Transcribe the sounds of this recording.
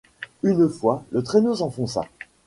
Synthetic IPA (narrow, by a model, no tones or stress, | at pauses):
ynfwalət̪χenosɑ̃fɔ̃sa̰